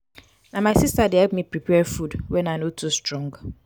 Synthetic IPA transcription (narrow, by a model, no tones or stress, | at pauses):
namaɪsistadeɦɛlp̚mipɹipɛfudwɛnanotʰustɹɔ̃ŋɡ